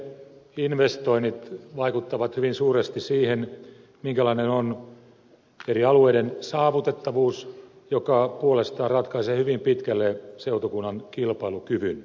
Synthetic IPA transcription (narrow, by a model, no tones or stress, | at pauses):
inʋest̪oinit̪ʋɑikut̪ːɑʋɑt̪hyʋinsuːrest̪issiːhen | miŋkælɑinenon | eɾiɑlueidensɑːʋut̪et̪ːɑʋuːs | jokɑpuolest̪ɑːrɑt̪kɑiseːhyʋimpit̪kælːeseut̪okunːɑnkilpɑilukyʋyn